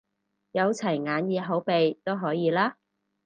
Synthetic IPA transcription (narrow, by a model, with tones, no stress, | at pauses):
jɐ˨˧wt͡sʰɐ˨˩jŋaː˨˧njiː˨˧ɦo˨˥wpe˨jt̪o˥wɦɔː˨˥jiː˨˧laː˥